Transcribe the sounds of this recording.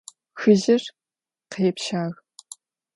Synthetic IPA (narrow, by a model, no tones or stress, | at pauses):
xɨʑɪr | qeːpʃaːɣ